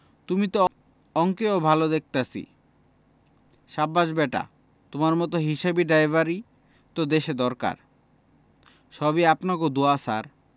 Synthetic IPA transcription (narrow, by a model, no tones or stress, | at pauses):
t̪umit̪o | ɔŋkeobʱalod̪ek̚t̪asḭ | ʃabːaʃbɛʈa̰ | t̪omaɾmɔt̪̬oɦiʃabiɖajbaɾi | t̪od̪eʃed̪ɔɾka̰ɾ | ʃɔbiapnak̬od̪uasaɾ